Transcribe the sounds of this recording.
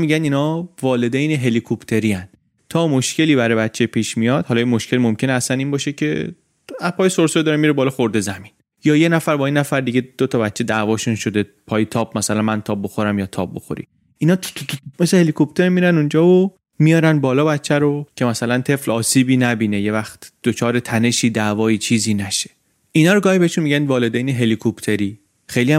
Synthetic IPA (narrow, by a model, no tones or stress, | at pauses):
miɟæninɒːvɒːle̞d̪ejneɦe̞likʰopt̪ʰe̞ɾiæn | t̪ʰɒːmo̞ʃcʰe̞liːβæɾɒjbæt̪t͡ʃʰːepʰiːʃmijɒd̪̥hɒlɒjimoʃcʰe̞lmomcʰeneæsæniːnbɒːʃecʰe̞̰ | æpʰɒːjesoɾseɾod̪ɒːɾemiɾebɒːlɒxoɾd̪e̞zæmin | jɒːje̞næfæɾbɒːinæfæɾd̪iɡe̞d̪̥ot̪ʰɒbæt̪ːt͡ʃe̞d̪ævɒːʃunʃo̞d̪e | pʰɒːjet̪ʰɒːb̚mæsælænmænt̪ʰɒːb̚bo̞xoɾæmjɒːt̪ʰɒ̰b̚bo̞xo̞̰ɾḭ | inɒːt̪ʰkʰmesehelikʰopt̪ʰe̞ɾmiːɾænund͡ʒɒːvo | mijɒːɾænbɒːlɒːbæt̪t͡ʃʰːæɾocʰe̞mæsælænt̪ʰe̞flɒːsiːbiːnæbiːneje̞væxt̪d̪̥ot͡ʃʰɒːɾet̪ʰæne̞ʃiːd̪ævɒːiːt͡ʃʰiːziːnæʃe̥ | ʔinɒːɾoɡɒːhibeeʃunmiɟænvɒːled̪ejneɦe̞likʰopt̪ʰe̞ɾiː | xejliæ